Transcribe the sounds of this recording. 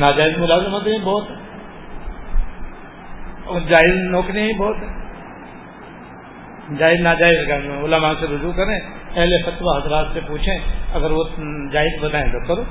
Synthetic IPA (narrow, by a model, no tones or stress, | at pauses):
naːd͡ʒaːɪzmʊlaːzɪmət̪eĩbɔːt̪ɦɛː | ɔːɾd͡ʒaːɪznɔːkɾeɦĩbɔːt̪ɦɛː | d͡ʒaːɪznaːd͡ʒaːɪzkːʊlamaːseɾʊd͡ʒukɐɾẽpɛɦlefɐt̪ʋaɦɐzɾaːt̪sepuːt͡ʃʰẽɐɡəɾʋod͡ʒaːɪzbɐd̪aːẽt̪okɐɾoː